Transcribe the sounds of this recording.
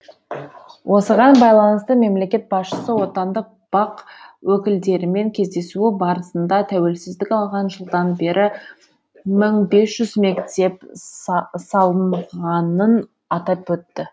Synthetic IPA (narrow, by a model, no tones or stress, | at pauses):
wʔo̞səʁɑnbɑjlˠɑnəst̪əme̞mle̞kʲe̞t̪̚bɑsʃəsəwo̞t̪ɑnd̪əq̚b̥ɑqwɵkʲɪld̪e̞ɾɪme̞ŋkʲʰe̞zd̪e̞suɪbɑɾəsənd̪ɑt̪ʰæwe̞lsɪzd̪ɪkʲɑlˠʁɑnʒəlˠd̪ɑnbe̞ɾʔɪ | məɴbe̞sʒ̥ʏzme̞kt̪e̞p | sɑlˠəmʁɑnən | ɑt̪ɑpwɵt̪ːɪ